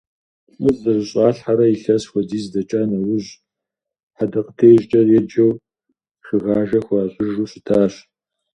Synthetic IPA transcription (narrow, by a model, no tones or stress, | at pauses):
ʊzzɐʒʷɨɕʼɑːɬħaɾɐjiɬɐsxʷɔdiːzdɐt͡ʃʼaːnɐwʊʑ | ħadɐqə̥tʰeːʒt͡ʃʼɐrjɛd͡ʒɐw | ʃɨɣaːʒɐxʷɑːɕʼʊʒuːɕɪtʰaːɕ